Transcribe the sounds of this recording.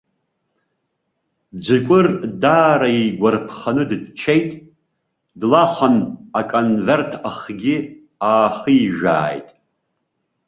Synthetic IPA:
d͡zɨkʷʼʊrdaːɾaiɡʷarpʰχanɨdɨdt͡ʃʰejtʼ | dlaχanakʼonvertʰaχɡʲɪ | aːχijʒʷᶣa̰ːjtʼ

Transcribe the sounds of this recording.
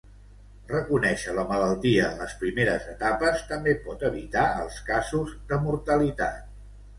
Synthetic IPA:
rəkunɛʃələmələlˠt̪iələspɾimeɾəzət̪apəst̪əmbepɔt̪əβit̪aəlˠskazuzðəmuɾt̪əlit̪a̰t̪̚

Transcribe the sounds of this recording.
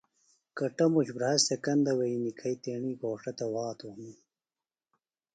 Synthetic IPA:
kɐʈɐmuɕbɾɐɐsekɐnd̪ɐwɐinikʰɐjt̪eːɳiːɡoːʂɐt̪ɐwɑːt̪uhnu

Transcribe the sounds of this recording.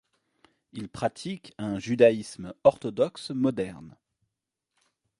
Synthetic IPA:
ilpχat̪ʰikɛ̃ʒyd̪aismɔʁt̪ɔd̪ɔksmɔd̪ɛʁn

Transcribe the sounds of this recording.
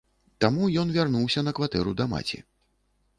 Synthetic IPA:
t̪amujɔnvʲarnuwsʲɐnɐkvat̪ɛɾud̪ɐma̰t͡sʲḭ

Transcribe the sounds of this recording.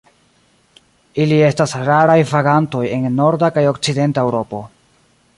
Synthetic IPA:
ilie̞stasɾaɾajvaɡanto̞je̞nːo̞ɾdakajo̞kt͡side̞ntae̞wɾo̞po̞

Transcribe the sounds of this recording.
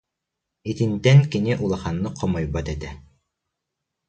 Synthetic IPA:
it̪ĭnt̪ɛnkiniʔulˠaχɑnːɯqʰɔmɔjbɑt̪ɛt̪ɛ

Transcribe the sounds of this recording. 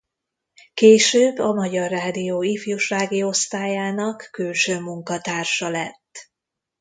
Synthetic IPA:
keːʃøːbːɒmɒɟɒrːaːd̪ijoːifjuʃraːɡio̞st̪aːjaːnɒkːylʃøːmuŋkɒt̪aːrʃɒlɛt̪ː

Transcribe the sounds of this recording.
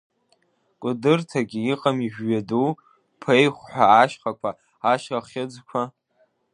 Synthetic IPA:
kʷʼʊdɨrtʰaɡʲiiqʼamiʒʷᶣɥadu | pʰejχʷħʷaːʃχakʷʰa | aʃaχʲɪd͡zkʷʰa

